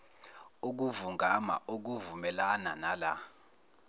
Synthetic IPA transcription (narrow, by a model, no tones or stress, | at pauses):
uk̬uvuŋɡʱama̰ʔok̬uvumɛlana̰nala̰